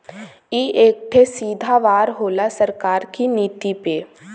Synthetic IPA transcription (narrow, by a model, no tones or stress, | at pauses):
iːʔeːk̚ʈ̪ʰesiːd̪ʱaʋaːɾɦoːlasəɾkaːɾkiniːt̪ipe